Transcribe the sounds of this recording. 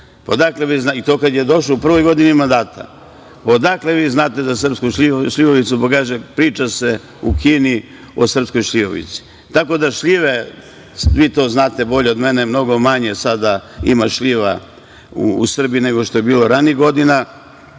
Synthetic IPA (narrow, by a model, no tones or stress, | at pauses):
pad̪akle̞ʋiznait̪o̞ːkad̪je̞d̪o̞ʃloupr̩ʋojɡo̞d̪inimand̪aːt̪ʰa̰ | od̪akle̞ʋiːznaːt̪e̞d̪asr̩pskuʃʎʲiʃʎʲiʋoʋit̪supakaːʒepɾiːt͡ʃase | ukʰiːni | o̞sr̩psko̞jʃʎʲiʋo̰ʋḭt̪si̥ | t̪ako̞d̪aʃʎiʋe | ʋiːt̪o̞ːznaːt̪e̞bo̞ʎeod̪me̞nemno̞ɡo̞maɲe̞sad̪aimaʃʎʲiʋa̰ | ṵːsr̩biine̞ɡo̞ʃt̪o̞je̞biːlo̞ɾaniiɡo̞d̪ina